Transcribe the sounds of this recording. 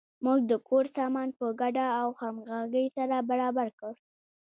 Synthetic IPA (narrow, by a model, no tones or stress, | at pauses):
muɡ̚d̪əkʰoɾsɑmɑnpəɡaɖaawxamɣaɡəjsaɾabaɾɑbaɾkəɽ